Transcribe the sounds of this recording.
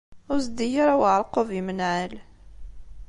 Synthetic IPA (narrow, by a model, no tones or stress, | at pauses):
ʊɾsd̪ijaɾawʕɾˤqovimənʕal